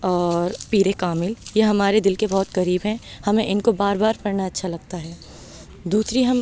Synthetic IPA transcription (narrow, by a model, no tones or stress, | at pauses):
ɔːɾpiːɾekaːmɪljeɦɐmaːɾed̪ɪlkebɔɦːt̪kɐɾiːbɦɛ̃hɐmẽʔɪnkobaːɾbaːɾpɐɾnaɐtːʃʰalɐɡ̚t̪aɦɛː | d̪uːsɾiɦɐm